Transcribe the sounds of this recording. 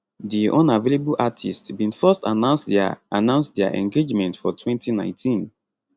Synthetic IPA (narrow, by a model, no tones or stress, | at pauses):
diʔɔ̃navelebulʔatʰistbĩnfɜsta̰nãʊ̃nsanãʊ̃nstdɛa̰ʔɛ̰̃ŋɡed͡ʒmɛ̃ntfɔtʰwɛ̃ntʰinãɪ̃ntʰĩn